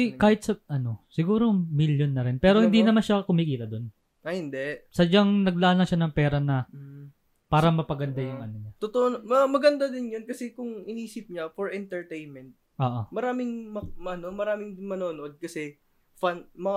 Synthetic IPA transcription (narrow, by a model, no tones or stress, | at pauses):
ɪkaːhɪt̪̚sɐʔɐno̞sɪɡuːɾomiljonːɐɾɪnpɛːɾo̞hɪnd̪inɐmanʃakʊmikiːt̪ɐd̪o̞n | ʔɐhɪnd̪ɛʔsɐd͡ʒaŋnɐɡ̚laʔanːɐʃanɐŋpɛːɾɐnɐ | paːɾɐmɐpɐɡɐnd̪ajʊŋʔɐnoɲat̪ot̪oʔonmɐmɐɡɐnd̪ad̪ɪnjonkɐsɛkʊŋɪniːsɪp̚ɲafoɹʔɛnt̪ɛɹt̪ejnmɛnt̪̚ʔoːʔomɐɾaːmɪŋmɐmʔɐnomɐɾaːmɪŋmɐnoːnoʔod̪̚kɐsɛ | fanmɐ